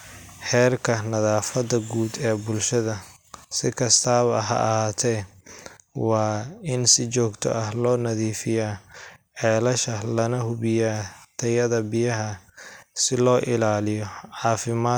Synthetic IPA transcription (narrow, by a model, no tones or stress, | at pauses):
ħɛːrkʰɐnɐðaːfɐd̪ɐɡuːd̪ɛːbʊlʃɐðɐ | sɪkʰɐst̪ʰaːβɐɦɐ̰ʔɐhaːt̪ʰɛj | wɑːɪnsɪt͡ʃɔːɡt̪ʰɔ̰ʔɐhlɔːnɐðiːfɪjaːʕɛːlɐʃɐlɐnɐhʊβɪjaːt̪ʰɐjɐðɐbɪjɐɦɐsɪlɔːʔɪlaːlɪjɔʕɑːfɪmaː